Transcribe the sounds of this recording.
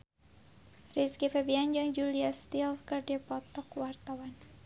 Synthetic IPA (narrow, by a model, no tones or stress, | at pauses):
riskifɛbiand͡ʒɨŋd͡ʒuliast̪ilkɨrdipɔt̪ɔkwart̪awan